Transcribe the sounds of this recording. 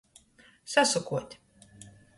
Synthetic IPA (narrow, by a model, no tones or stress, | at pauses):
sasukuɔt̪ʲ